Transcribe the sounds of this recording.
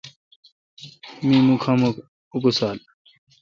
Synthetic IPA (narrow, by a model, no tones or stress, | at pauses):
miːmũkʰam | ukusaːl